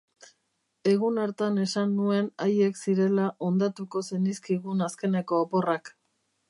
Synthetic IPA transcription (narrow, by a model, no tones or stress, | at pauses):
e̞ɣ̞unaɾt̪ane̞sanːue̞najeksiɾe̞laʔo̞nd̪at̪uko̞se̞niskiɣ̞unaske̞ne̞ko̞ːpo̞rak